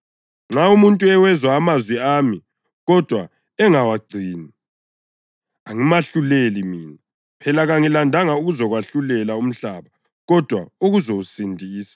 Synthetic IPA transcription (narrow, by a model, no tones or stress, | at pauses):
ŋ͡ǁaumuntʼuɛwɛzwaːmazwiaːmi | ɣɔd̥ʱwa | ɛŋawaɡ͡ǀʱiːni | aŋimaɬulelimiːni | pʰɛlaɣaŋilandʱaŋauɣuzɔɣwaɬulɛlaum̩ɬaːβa | ɣɔd̥ʱwauɣuzousindʱiːsḁ